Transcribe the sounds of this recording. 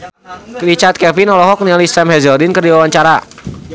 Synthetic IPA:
rit͡ʃart̪̚kɛvinɔlɔɦɔk̚nilisɛmhɛzɔrdinkərdiwawaɲt͡ʃaɾa

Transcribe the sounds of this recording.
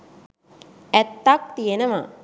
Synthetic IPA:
æt̪ːak̚t̪ijenəma̰

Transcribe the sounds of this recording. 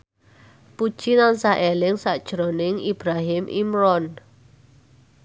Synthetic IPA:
pud̥ʒ̥inansaʔelɪŋsaʔd̥ʒ̥ɾonɪŋib̥ɾaɦɪmʔḭmɾɔn

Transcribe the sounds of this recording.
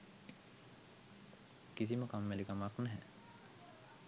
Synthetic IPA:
kis̬iməkamːelikamaknɛɦɛ

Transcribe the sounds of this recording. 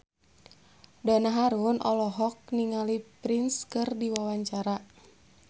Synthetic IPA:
danaɦaɾunʔɔ̰lɔɦɔk̚niŋalipɾinskɨrdiwawaɲt͡ʃaɾa

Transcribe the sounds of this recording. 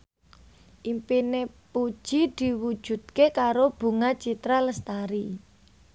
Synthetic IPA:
ʔimpinepu̥ʒ̥id̪̥i̤wu̥ʒ̥ṳt̪̚kekaɾob̥ṳŋat͡ʃit̪ɾaləst̪aɾi

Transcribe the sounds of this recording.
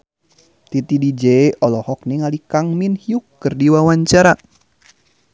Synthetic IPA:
t̪it̪idid͡ʒeʔɔlɔhɔk̚niŋalikaŋminhiukːɨrdiwawaɲt͡ʃaɾa

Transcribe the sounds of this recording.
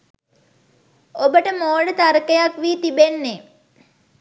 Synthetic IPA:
obəʈəmoːɖət̪aɾəkəjakʋiːt̪ibenːe

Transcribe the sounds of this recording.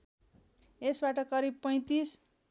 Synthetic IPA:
esbaʈʌkʌɾib̚pʌj̃t̪is

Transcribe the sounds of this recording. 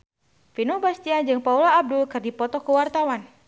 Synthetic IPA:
finɔbast̪iand͡ʒɨŋpaulaːb̚dulkɨrdipɔt̪ɔkuwart̪awan

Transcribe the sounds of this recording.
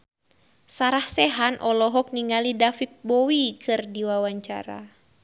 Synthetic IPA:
saɾahsɛɦanʔɔlɔɦɔk̚niŋalidafik̚bɔwikʰɨrdiwawaɲt͡ʃa̰ɾa̰

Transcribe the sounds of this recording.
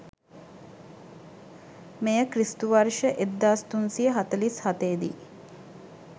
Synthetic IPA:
mejəkrist̪uʋaɾʃəʔed̪ːaːst̪unsiəɦat̪əlishat̪eːd̪ḭ

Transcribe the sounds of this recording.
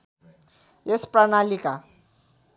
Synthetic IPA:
jespranalika

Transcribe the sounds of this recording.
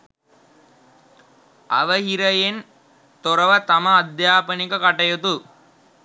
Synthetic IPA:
a̰ʋəɦiɾəjen | t̪oɾɐʋət̪amɐːd̪jaːpənikəkaʈɐjot̪u

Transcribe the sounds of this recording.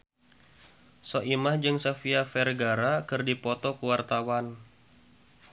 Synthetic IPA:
soʔimahd͡ʒɨŋsafiafɛrɡaɾakɨrdipɔt̪ɔkuwart̪awan

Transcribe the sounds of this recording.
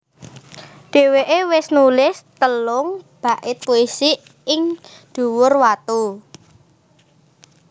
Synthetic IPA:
ɖ̪̥e̤weʔewɪsnulɪst̪əlʊŋb̥a̤ʔɪt̪̚poisi | ɪŋ | d̪̥ṳwʊrwat̪u

